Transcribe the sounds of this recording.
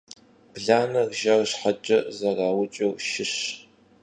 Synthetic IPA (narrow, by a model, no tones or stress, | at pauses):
b̥ɮaːnɐrʒɐrɕħɐt͡ʃʼɐzɐrɑːwʊt͡ʃʼɐwʃɪɕ